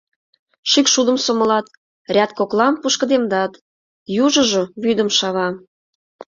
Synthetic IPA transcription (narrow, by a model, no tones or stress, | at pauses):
ʃykʃud̪ə̆msoməlɑt̪ | rʲɑt̪̚koklɑmpuʃkə̆d̪emd̪ɑt̪ | juʒə̆ʒoβyd̪əmʃɑβɑ